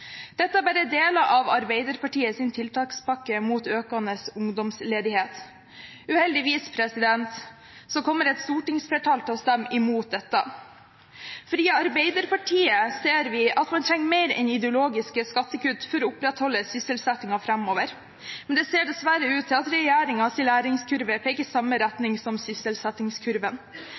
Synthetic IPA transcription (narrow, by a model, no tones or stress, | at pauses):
d̪̥ɛt̪ːəæbæɾəd̪eːlɑʔɑʋɑɾbeɪd̪əɾpɑʈiːəsɪnt̪ʰɪlt̪ʰɑːkspɑkːəmuːt̪øːkɑnəsʊŋd̪ɔmsleːd̪ɪheːt̪ | ʉːhɛld̪ɪʋiːspʰɾɛsɪd̪ɛnt̪ | sɔkʰɔmːəɾɛt̪st̪uːʈɪŋsfɛʈʰɑlt̪ʰɪɔst̪æmːɪmuːt̪̚d̪ɛt̪ːɑ̰ | fɾiːɑɑɾbeɪd̪əɾpɑʈʰiːəseːɾʋɪʔɑt̪mɑnt̪ʰɾɛŋːmeɪɾɛ̰nɪd̪ɛʊloːɡɪskəskɑt̪ːəkʉt̪ːfɔɾɔʊpɾɛt̪hɔlːəsʏsəlsɛt̪ːɪŋɑfɾɑmoːʋəɾ | mɛnd̪ɛseːɖɛsʋæɾəʉːt̪ʰːɪɑt̪ɾɛjæːɾɪŋɑt̪ɪlæːɾɪŋskʰʉɾʋəpʰɛːkːəsɑmːəɾæt̪nɪŋsɔmsʏsəlsɛt̪ːɪŋskʰʉɾʋən